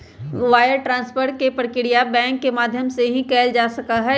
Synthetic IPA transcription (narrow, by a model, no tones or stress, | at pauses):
ʋaːjəɾʈɾãːnspəɾʈ̚kepɾkɪɽijabɛ̃ːŋkːemaːd̪ʱjəmseɦĩkɛːld͡ʒaːsɐkaɦɛ